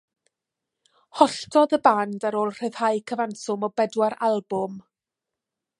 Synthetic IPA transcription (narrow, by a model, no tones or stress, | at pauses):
hɔɬtʰɔðəbandaɾoːlˠr̥ɨð̥hajkʰəvansʊmɔbɛdwaɾalˠbʊm